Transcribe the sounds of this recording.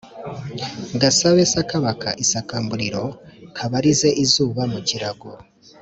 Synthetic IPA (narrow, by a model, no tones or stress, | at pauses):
ɡasaβesakaβakʰa̰ʔisakaːmbuɾiɾo̞kʰaβaɾize̞ʔizuːβamuciɾaɡo